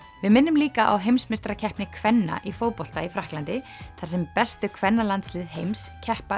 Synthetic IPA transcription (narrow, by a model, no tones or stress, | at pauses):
vɪðmɪnːʏmliːkaʔa̰wɦejmsmɪst̪ɾacʰɛhpnɪkʰvɛnːa̰ʔifoːwpol̥t̪aifɾahklant̪ɪθaɾsɛmpɛst̪ʏkʰvɛnːalant̪slɪːðɦejmscʰɛhpa